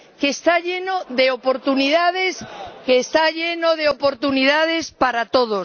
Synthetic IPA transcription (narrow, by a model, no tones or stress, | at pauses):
keːst̪aʎenoðeopoɾt̪uniðað̞eskeːst̪aʎenoð̞eopoɾt̪uniðað̞espaɾat̪oð̞os